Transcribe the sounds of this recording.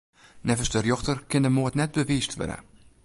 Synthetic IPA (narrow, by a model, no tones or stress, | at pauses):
nɛvəsdərjɔxtərkɪndəmoətnɛt̚bəʋiːstʋø̰də̰